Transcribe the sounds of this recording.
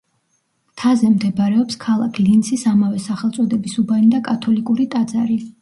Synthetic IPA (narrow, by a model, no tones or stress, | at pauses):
t̪ʰazɛmd̪ɛbɾɛɔpskʰalˠakʰlint̪sʰisamavɛsaχɛlˠt̪sʼɔd̪ɛbisubanid̪akʼat̪ʰɔlikʼuɾit̪ʼad̪zaɾi